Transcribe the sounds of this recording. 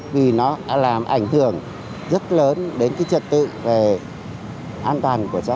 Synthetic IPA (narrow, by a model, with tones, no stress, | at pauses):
vi˨˩nɔ˨˦ɗa̰ː˧˥laː˨˩mʔa˧˩jŋ̟hɨ˧˩əŋ | zə˦˥t̚ləː˨˦nɗe˨˦nkaː˨˦jt͡ɕə˨˩t̚t̪ɨ̰˧˨ve˨˩ | ʔaː˧nt̪waː˨˩nku˧˩ət͡ɕa˨˦